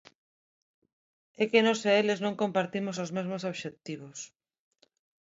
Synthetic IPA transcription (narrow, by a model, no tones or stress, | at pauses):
ekenoseeleznõŋkompaɾt̪imosozmezmosoβʃekt̪iβ̞os